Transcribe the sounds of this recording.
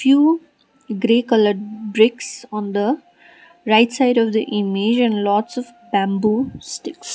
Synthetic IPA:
fjuː | ɡɾeːkʌləɖbɾɪksɔ̃ːnd̪ə | ɾaɪʈsaɪɖɔʋd̪əʔɪmɪd͡ʒɛ̃nlɔːʈsɔʋbæ̃mbusʈɪks

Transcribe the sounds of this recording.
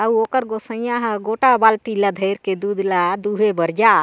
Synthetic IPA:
auɔkəɾɡɔsə̃aɦə̃ɡɔʈabalt̪ilad̪ʱəjɾked̪ud̪lad̪uɦebəɾd͡ʒa

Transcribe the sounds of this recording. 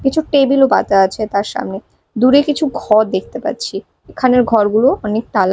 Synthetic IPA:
kit͡ɕʰuʈebiloba̰t̪aat͡ɕʰet̪aɾʃa̰mne | d̪uɾekit͡ɕʰuɡʱɔɾd̪ek̚t̪epa̰tːɕʰi | ekʰaneɾɡʱɔɾɡuloɔnek̚ʈ̪ala

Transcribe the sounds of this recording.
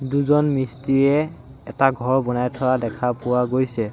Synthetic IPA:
duzɔnmɹistiɹɛ | ɛtaɡʱɔɹbɔnajtʰɔadɛkʰapʊwaɡojsɛ

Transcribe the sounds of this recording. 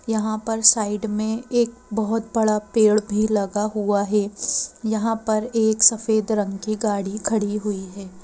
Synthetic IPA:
jɐɦãpɐɾsaːɪɖmẽeːk̚ | bɐɦʊt̪bɐɽapeːɭbʱilɐɡaɦuaɦɛjɐɦãpɐɾeːksɐfeːd̪ɾɐ̃ŋɡkiɡaːɽikʰɐɽiɦuiɦɛː

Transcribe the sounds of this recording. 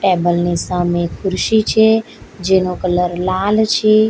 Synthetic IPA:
ʈɛbəlnesamẽkʰʊɾʃit͡ʃʰe | d͡ʒenokələɾlalt͡ʃʰe

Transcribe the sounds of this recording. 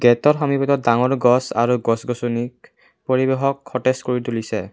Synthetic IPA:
ɡɛtɔɹxɔmipɔtɔdaŋɔɹɡɔsa̰ɹuɡɔsɡɔsunik̚ | poɹibeɦɔkʰːɔteskoɹitulisɛ

